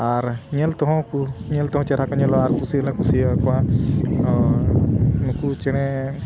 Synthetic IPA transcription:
aɾɲelt̪ɔɦɔ̃kuɲelt̪ɔɦɔ̃t͡ʃɛɾakɔɲelɔaɾkusilɛ̃kusikɔa | nukut͡ʃɛɽ̃ɛ

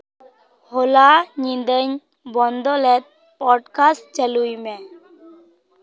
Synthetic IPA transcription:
holaɲind̪əɲ | bɔnd̪ɔlɛt̪̚ | pɔɖkast͡ʃəlujmɛ

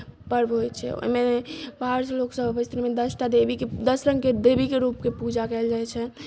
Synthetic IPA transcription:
pəɾbɦojt͡ʃʰɛ̰o̰jmebaɾsloksəbʱəbəst̪ʰɾimed̪əsʈad̪ebiked̪əsɾəŋɡked̪ebikeɾupkepud͡ʒakɛɪld͡ʒajt͡ʃʰɛ

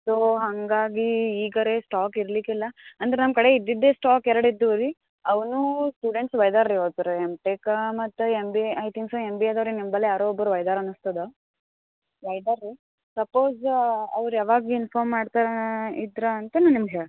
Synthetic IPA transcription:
soɦɐŋɡaːɡiːɡɐɾesʈaːkiɾlikilːɐɐnd̪ɐɾenɐmkɐɽe̞id̪ːid̪ːeːsʈaːkɛɾɐɽid̪ːuɐɾi | ɐʋnusʈuːɖeɳʈsʋɐjd̪aːɾɾiʋɐt̪ɐɾemʈeːkɐmɐt̪ːuembiɐjt̪ʰiŋksoembied̪ɐʋɾinimbɐlːejaːɾoɔbːɐɾuʋɐjd̪aːɾɐnust̪ɐd̪o | ʋɐjd̪aːɾːi | sɐpoːzɐ̰ʋɾujaːʋaːɡiinpʰaːɾmːaːɖt̪aɾḭd̪ɾɐːnt̪ɐnːanimɡɦeɭ

